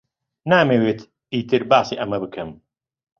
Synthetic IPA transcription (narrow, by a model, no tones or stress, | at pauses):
naːmeːweːt̪ | iːt̪ɨɾbaːsiːʔɐmɐbɨkʰɨm